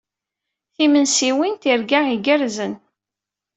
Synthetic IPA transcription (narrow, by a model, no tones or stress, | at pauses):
θimənsiwint̪iɾɡaiɡəɾzən